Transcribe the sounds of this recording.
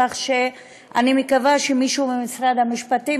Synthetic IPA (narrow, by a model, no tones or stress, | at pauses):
aχʃe | ʔa̰nimekavaʃemiʃuːbemisʁad̪hamiʃpati